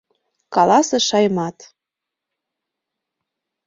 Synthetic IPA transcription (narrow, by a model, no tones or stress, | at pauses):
kɑlɑsɤ̆ʃɑjmɑt̪